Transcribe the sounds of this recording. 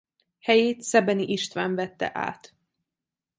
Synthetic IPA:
hɛjeːt̪sɛbɛniʔiʃt̪ʋaːɱvɛt̪ːɛ̰ʔa̰ːt̪

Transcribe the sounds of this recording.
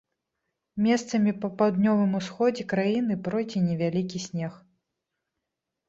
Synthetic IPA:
mʲɛst̪sɐmʲipɐpawd̪nʲɔvɨmusxɔd͡zʲɛkɾajinɨpɾɔjd͡zʲinʲɛvʲalʲikʲisʲnʲɛx

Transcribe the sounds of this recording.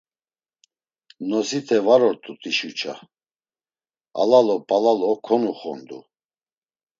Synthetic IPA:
nɔsit̪ʰɛvaɾɔɾt̪ʼut̪ʼiʃut͡ʃʰa̰ | a̰lalɔpʼalalɔkʰɔnuχɔ̰nd̪ṵ

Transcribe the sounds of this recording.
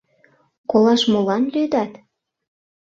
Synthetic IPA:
kolɑʃmolɑnlyd̪ɑt̪

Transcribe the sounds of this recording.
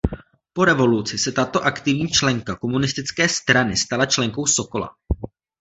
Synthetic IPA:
po̞ɾɛvo̞lut͡sɪsɛt̪at̪o̞ʔakt̪ɪvɲiːt͡ʃlɛŋkako̞munɪst̪ɪt͡skɛːst̪ɾanɪst̪alat͡ʃlɛŋko̞wso̞ko̞la̰

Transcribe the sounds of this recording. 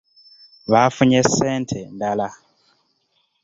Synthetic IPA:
βafuɲeseːntʰendala

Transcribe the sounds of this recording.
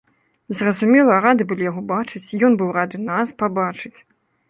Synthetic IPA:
zrɐzumʲɛlˠɐɾad̪ɨbɨlʲijaɣɔbat͡ʂɨt͡sʲjɔnbɨwrad̪ɨnaspabat͡ʂɨt͡sʲ

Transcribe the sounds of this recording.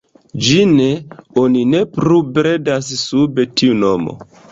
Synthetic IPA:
d͡ʒine̞onine̞pɾubɾedas̬sube̞tiuno̞mo̰

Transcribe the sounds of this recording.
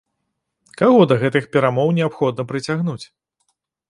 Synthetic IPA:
kaɣɔd̪ɐɣɛt̪ɨxpʲɛɾamɔwnʲɛapxɔd̪̚nɐpɾɨt͡sʲaɣnut͡sʲ

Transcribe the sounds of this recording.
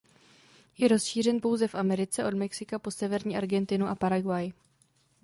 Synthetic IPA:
jɛɾo̞sʃiːr̝ɛnpo̞wzɛfʔamɛɾɪt͡sɛʔo̞dmɛksɪkapo̞sɛvɛɾɲiːʔaɾɡɛnt̪ɪnuʔapaɾaɡwaj

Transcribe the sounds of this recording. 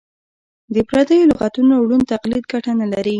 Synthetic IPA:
d̪əpɾad̪əjolʊɣat̪unowɽunt̪aqlid̪ɡaʈanalaɾi

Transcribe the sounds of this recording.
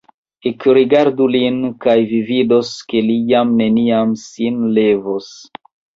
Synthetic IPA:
ekɾiɡaɾdulinkajvividoske̞lijamne̞niamsinlevos

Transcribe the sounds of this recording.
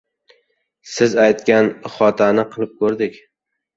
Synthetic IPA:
sɪzajt̪kʲanχɒt̪ʰanɪqʰɨlˠɪp̚kʰɵɾd̪ɪkʲ

